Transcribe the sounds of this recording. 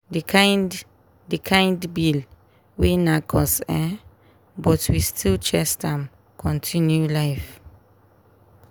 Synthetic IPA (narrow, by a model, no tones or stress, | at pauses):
dkʰãjnd | dəkʰãjndbil | winakʰɔsɛ | bɔtʰwistʰilt͡ʃɛstãm | kʰɔ̃ntʰĩnjulajf